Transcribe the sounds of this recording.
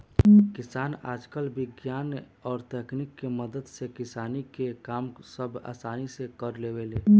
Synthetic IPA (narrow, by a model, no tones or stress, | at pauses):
kɪsaːna̰ːd͡ʒkəlbɪɡjaːn | ɔːɾt̪eknikːeməd̪əd̪sekɪsaːnikekaːmsəbʱa̰ːsaːnisekəɾleweleː